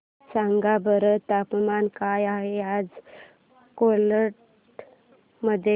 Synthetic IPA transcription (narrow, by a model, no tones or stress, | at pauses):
saŋɡabəɾət̪apmankajaɦead͡z | koləʈ | məd̪ʱje